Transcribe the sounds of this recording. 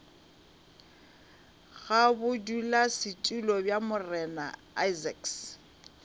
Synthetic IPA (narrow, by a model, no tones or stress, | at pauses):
ɣabʊdulasɪtʼulɔbjamʊrɛna̰ | ajzɛks